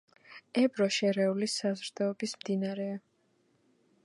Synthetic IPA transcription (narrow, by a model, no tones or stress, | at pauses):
ɛbɾɔʃɛɾɛulisazɾd̪̥ɔːbismd̪inaɾɛa